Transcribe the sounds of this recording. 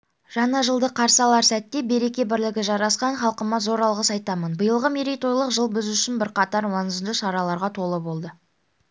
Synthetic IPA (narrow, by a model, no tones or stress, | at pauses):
ʒ̥ɑɴɑʒəlˠd̪əqʰɑɾsɑlˠɑɾsæt̪ːe̞be̞ɾe̞kʲe̞bɪɾlɪɡʲɪʒɑɾɑsqɑɴχɑlˠqəmɑzo̞ɾɑlˠʁəsɑjt̪ɑmənbəjəlˠʁəmeɾijt̪o̞jlˠəqʒəlˠbɪzʏʃɪnbɪɾqɑt̪ɑɾwɑnəzd̪əʃɑɾɑlˠɑɾʁɑt̪ʰo̞lˠəbo̞lˠd̪ə